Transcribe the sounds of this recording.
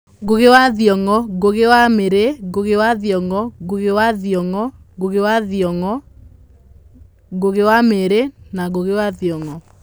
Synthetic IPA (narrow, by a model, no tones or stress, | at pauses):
ɡoɣewaðjɔŋɔɡoɣewameɾeɡoɣewaðjɔŋɔɡoɣewaðiɔŋɔ | ɡoɣewaðiɔŋɔ | ɡoɣewameɾenaɣoɣewaðjɔŋɔ